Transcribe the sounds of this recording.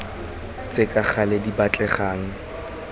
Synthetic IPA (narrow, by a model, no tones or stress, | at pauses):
t͡sʼekʼak͡xʰaledibat͡ɬʼɛχaːŋ̩